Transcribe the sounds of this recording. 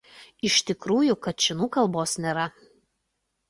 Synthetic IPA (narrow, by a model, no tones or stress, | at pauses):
ɪʃʲt̪ʲɪkɾuːjʊkɐt̪̚t͡ʃʲɛnuːkɐlˠˑboːsnʲeːɾɐ